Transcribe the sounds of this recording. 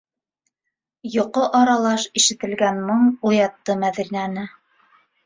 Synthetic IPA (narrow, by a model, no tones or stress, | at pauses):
jŏqoʔɑɾɑlˠɑʃiʃɘ̆t̪ɘ̆lɡænmɤɴujɑt̪ːɤmæðɾinænɘ